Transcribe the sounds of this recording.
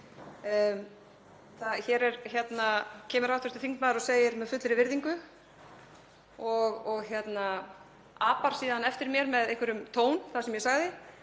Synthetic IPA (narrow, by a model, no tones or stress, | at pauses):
θaðçɛɾɛɾçjɛt̪nacʰɛːmʏɾawt̪ʏɾ̥t̪ɪfiŋk̪maːðɪɾɔseːjɪɾmɛðfʏt̪lɪɾɪvɪɾðiŋkʏ | ɔɣɔɣçjɛt̪na | aːpaɾ̥siːðanɛft̪ɪɾmjɛɾmɛðejhkʰvʏɾʏmt̪ʰoːwnθaðsɛmjɛsaɣðɪ